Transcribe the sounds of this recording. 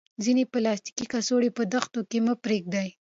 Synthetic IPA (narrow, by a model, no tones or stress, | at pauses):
zineplɑst̪i̥kikasoɽepəd̪axt̪okeməpɾeɡ̚d̪aj